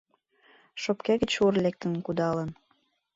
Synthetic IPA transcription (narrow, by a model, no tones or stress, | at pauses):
ʃopkeɣət͡ɕorlek̚t̪ə̆nkud̪ɑlən